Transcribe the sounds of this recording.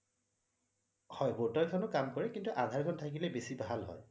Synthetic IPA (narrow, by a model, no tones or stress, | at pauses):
hɔjbotɔjkʰɔnʊkamkɔɹɛkintuʔadʱaɹkʰɔntʰakilɛbesibʱalɦɔ̰j